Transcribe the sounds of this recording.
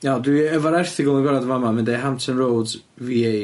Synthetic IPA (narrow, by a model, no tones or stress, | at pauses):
nadwiəvaɾɛrθɪɡʊlˠənɡwɛɾadvamamɪndejɦamtʰənrowd | viej